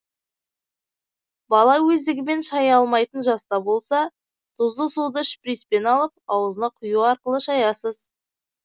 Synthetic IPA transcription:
bɑlˠɑwɵzd̪ɪɡʲɪme̞nʃɑjɑlˠmɑjt̪ənʒɑst̪ɑbo̞lˠsɑ | d̪̥ʊzd̪əsud̪əʃpɾijspe̞nɑlˠəp̚ɑwəzənɑqʰʊjuɑɾqəlˠəʃɑjɑsəz̥

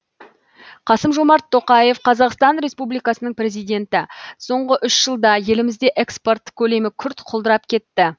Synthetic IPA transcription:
qʰɑsəmʒo̞mɑɾt̪ʰːo̞qɑje̞fqʰɑzɑqst̪ɑnɾe̞spublijkɑsənəɴprɾe̞zijd̪ʲe̞nt̪ɪso̞ɴʁəʔʏʃʒəlˠd̪ɑje̞lɪmɪzd̪e̞ʔeksport̪ːkʲʰɵle̞mɪkʲʰʏɾt̪qʰolˠd̪əɾɑp̚kʲʰe̞t̪ːɪ

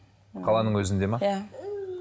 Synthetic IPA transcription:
qʰɑlˠɑnəɴwɵzɪnd̪e̞mɑ

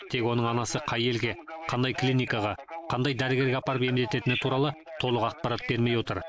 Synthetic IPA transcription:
t̪ʰe̞kwo̞nəɴɑnɑsəqʰɑje̞lɡʲe̞qʰɑnd̪ɑjklinijkɑʁɑqʰɑnd̪ɑjd̪æɾɪɡʲe̞ɾɡʲeɑpɑɾəpe̞md̪e̞t̪e̞t̪ɪnɪt̪ʰuɾɑlˠə | t̪ʰo̞lˠəqɑq̚pɑɾɑt̪̚be̞ɾme̞jwo̞t̪əɾ

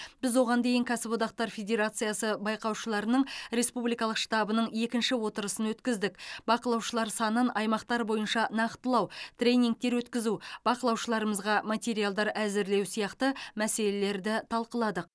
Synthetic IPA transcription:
bɪzwo̞ʁɑnd̪e̞jɪŋkʲʰasɪvo̞d̪ɑqt̪ɑɾfʲe̞d̪ʲe̞ɾat̪sɨjasəbɑjqɑwʃəlˠɑɾənəɴɾe̞spublijkɑlˠəqʃt̪ɑbənəɴe̞kʲɪnʃɪwo̞t̪əɾəsənwɵt̪kʲɪzd̪ɪkbɑqəlˠɑwʃəlˠɑɾsɑnənʔɑjmɑqt̪ɑɾbo̞jənʃɑnɑqt̪əlˠɑwt̪ʰrʲe̞jnʲiŋk̚t̪e̞ɾwɵt̪kʲɪzub̥ɑqəlˠɑwʃəlˠɑɾəməzʁɑmat̪ʲe̞ɾijalˠd̪ɑɾæzɪɾle̞wsijɑqt̪əmæse̞le̞le̞ɾd̪ɪt̪ʰɑlˠqəlˠɑd̪əq̚

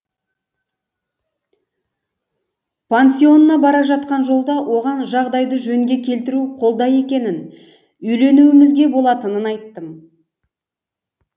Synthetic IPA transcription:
pʰensʲio̞nənːɑbɑɾɑʒɑt̪̚qɑnʒo̞lˠd̪ɑwʔo̞ʁɑnʒɑʁd̪ɑjd̪əʒɵŋɡʲe̞kʲʰe̞lt̪ɪɾuqʰo̞lˠd̪ɑje̞kʲe̞nɪn | ʏjle̞nuwɪmɪzɡʲe̞bo̞lˠɑt̪ənənɑjt̪ːəm

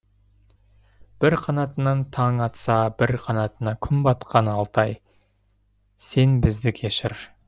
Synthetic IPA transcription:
b̥ɪɾqʰɑnɑt̪ənɑnt̪ʰɑŋɑt̪sɑbɪɾqʰɑnɑt̪ənɑkʲʰʏmbɑt̪qʰɑnɑlˠt̪ɑj | se̞nbɪzd̪ɪkʲʰe̞ʃɪɾ

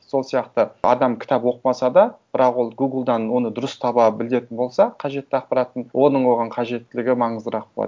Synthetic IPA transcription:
so̞lˠsijɑqt̪əɑ̰d̪ɑmkʲʰɪ̥t̪ɑpwo̞qəmɑsɑd̪ɑb̥ɪɾɑqwo̞lˠɡuɡəlˠd̪ɑnwo̞nəd̪ʊɾəst̪ʰɑbɑbɪle̞t̪ɪnbo̞lˠsɑqʰɑʒe̞t̪ːɪɑq̚pɑɾɑt̪ənwo̞nəɴwo̞ʁɑɴqʰɑʒe̞t̪ːɪlɪɡʲɪmɑɴəzd̪əɾɑq̚bolˠɑ̰d̪

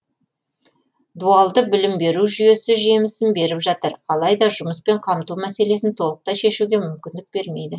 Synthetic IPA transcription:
d̪uɑlˠd̪əbɪlɪmbe̞ɾuʒʏje̞sɪʒe̞mɪsɪmbe̞ɾɪpʒɑt̪əɾɑlˠɑjd̪ɑʒʊməspe̞ɴqʰɑmt̪umæse̞le̞sɪnt̪ʰo̞lˠəq̚t̪ɑʃe̞ʃuɡʲe̞mʏmkʲɪnd̪ɪk̚be̞ɾme̞jd̪ɪ

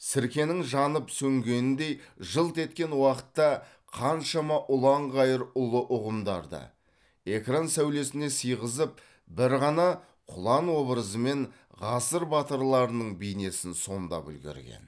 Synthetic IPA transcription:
sɪɾkʲe̞nɪŋʒɑnəpsɵŋɡʲe̞nɪnd̪e̞jʒəlˠt̪e̞t̪kʲe̞nwɑqə̥t̪ːɑ | qʰɑnʃɑmɑʔʊlˠɑɴʁɑjəɾʊlˠəʔʊʁəmd̪ɑ̰ɾd̪ə̰ | e̞kransæwle̞sɪne̞sijʁəzəp̚ | bɪɾʁɑnɑ | qʰʊlˠɑnwo̞bɾəzəme̞n | ʁɑsəɾbɑt̪əɾlˠɑɾənəɴbijne̞sɪnso̞nd̪ɑ̰pʏ̰lɡʲḛɾɡʲḛn

